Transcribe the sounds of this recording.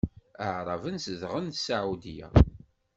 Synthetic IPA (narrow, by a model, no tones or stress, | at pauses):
əʕɾˤɑvənsəðʁənsaʕud̪ijæ̰